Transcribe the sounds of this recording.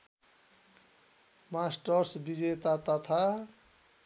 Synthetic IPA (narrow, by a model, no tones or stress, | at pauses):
masʈʌɾsbid͡ʒet̪at̪at̪ʰa